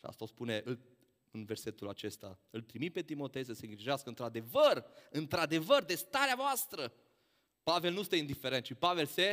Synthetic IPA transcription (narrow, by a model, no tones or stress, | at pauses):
ʃia̰st̪aospune̞ʔɨl | ɨnve̞rse̞t̪ulat͡ʃe̞st̪a̰ɨlt̪ɾimit̪̚pe̞t̪imo̞t̪e̞js̬əseɨŋɡɾiʒeaskəɨnt̪ɾad̪e̞vərɨnt̪ɾad̪e̞vərd̪e̞st̪aɾeavoast̪ɾə | pave̞lnust̪eind̪ifeɾet̪ʃipave̞lse